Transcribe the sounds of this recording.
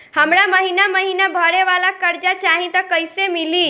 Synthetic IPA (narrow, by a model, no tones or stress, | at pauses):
həmɾaməɦinaməɦinabʱəɽeʋalakəɾd͡ʒat͡ʃaɦĩt̪əkəjsemili